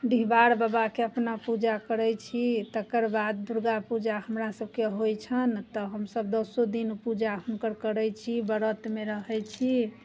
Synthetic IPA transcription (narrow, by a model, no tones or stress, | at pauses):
d̪iɦbaɾbabakeəpnapud͡ʒakəɾɛt͡ʃʰit̪əkəɾbad̪̚d̪uɾɡapud͡ʒaɦəmɾasəb̚keɦojt͡ʃʰənt̪ɔɦəmsəbd̪ɔsod̪inpud͡ʒaɦəmkəɾkəɾɛjt͡ʃʰibəɾət̪meɾəɦɛjt͡ʃʰi